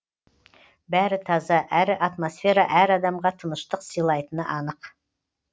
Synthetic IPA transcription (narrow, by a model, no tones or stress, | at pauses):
bæɾɪt̪ʰɑzɑʔæɾɪʔɑt̪mosfe̞ɾɑʔæɾɑd̪ɑmʁɑt̪ʰənəʃt̪əqsijlˠɑjt̪ənəʔɑnəq